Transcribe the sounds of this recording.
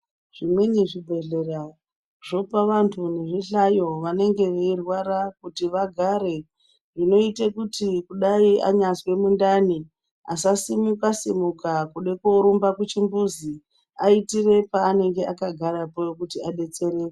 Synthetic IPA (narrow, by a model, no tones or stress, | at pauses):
ʐ̥imweɲiʐibʱe̞ɮe̞ɾa | ʐ̥o̞paʋantʰune̞ʐiɬajo̞ʋane̞ŋɡe̞ʋeirwaɾakutiʋaɡʱaɾe̞ | ino̞itekutikuɗaia̰ɲaswe̞mundani | asasimukasimukakuɗekoɾumbakut͡ʃimbuzi | aitire̞paːne̞ŋɡeʔakaɡʱaɾapojokutiaɗe̞t͡se̞ɾeːke